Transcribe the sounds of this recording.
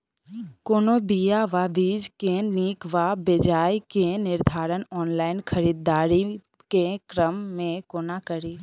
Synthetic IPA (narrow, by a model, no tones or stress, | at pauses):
koːnobijaʋaʋiːd͡ʒkeniːkʋabɪd͡ʒaːjkenɪɾd̪ʱaːɾənɔːnlaːɪnkʰəɾiːd̪ːaːɾi | kekɾəmːẽkoːnakəɾiː